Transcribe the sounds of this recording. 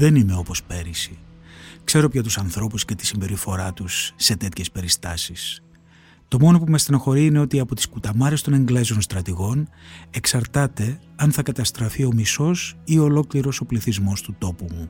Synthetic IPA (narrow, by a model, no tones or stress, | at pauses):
ðe̞nime̞o̞po̞spe̞ɾisikse̞ɾo̞pçɐt̪usɐnθɾo̞pusce̞t̪i̥simbe̞ɾifo̞ɾɐt̪usːe̞t̪e̞t̪çe̞spe̞ɾist̪ɐsis | t̪o̞mo̞no̞pumest̪inoxo̞ɾiine̞o̞t̪iɐpo̞t̪i̥skut̪ɐmɐɾe̞st̪o̞ne̞ŋɡle̞zo̞nst̪ɾɐt̪iɣo̞ne̞ksɐɾt̪ɐt̪e̞ | ɐnθɐkɐt̪ɐst̪ɾɐfio̞miso̞sio̞lo̞kliɾo̞so̞pliθizmo̞st̪ut̪o̞pumu